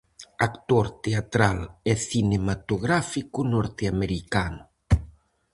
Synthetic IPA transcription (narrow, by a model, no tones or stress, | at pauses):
akt̪oɾt̪eat̪ɾalɛθinemat̪oɣɾafikunɔɾt̪eameɾikanu